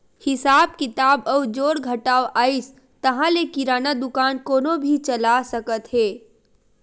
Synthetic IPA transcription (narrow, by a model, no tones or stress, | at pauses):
hɪsaːb̚kɪt̪aːbɔːd͡ʒoːɽɡʱəʈaːoʔaːɪs | t̪əɦãlekiɾaːnad̪ʊkaːnkoːnobʱit͡ʃəlasəkət̪ɦɛː